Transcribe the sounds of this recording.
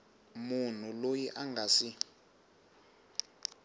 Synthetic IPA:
mun̤ulojiʔaŋɡʱasi

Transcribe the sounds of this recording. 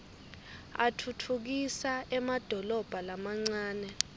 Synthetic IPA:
a̰tʰutʰuk̬isaʔɛmad̥ʱɔlɔb̥ʱalamaŋ͡ǀaːnɛ

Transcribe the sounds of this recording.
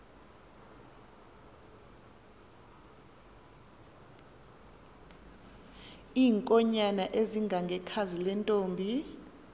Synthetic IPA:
iːŋkʼɔɲanaʔeziŋɡʱaŋɡʱɛkʰazilɛntʼoːmbʱi

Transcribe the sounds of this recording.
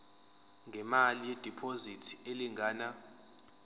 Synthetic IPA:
ŋɡʱɛmalijed̥ʱipʰozitʰi̥eliŋɡʱaːna

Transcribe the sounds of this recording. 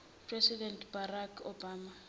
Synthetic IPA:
pʰrɛsidɛntʰb̥arakʰobaːma

